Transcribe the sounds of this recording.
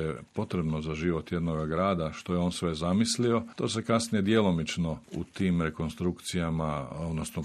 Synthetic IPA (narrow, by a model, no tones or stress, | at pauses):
jepo̞t̪ɾe̞bnozaʒiːʋo̞t̪je̞d̪no̞ɡaɡɾaːd̪aʃt̪o̞jeo̞ːnsʋe̞zamislio̞t̪o̞ːse̞kasnije̞d̪jelo̞mit͡ʃno̞ṵt̪iːmɾe̞ko̞nst̪ɾukt̪sijamao̞d̪nosno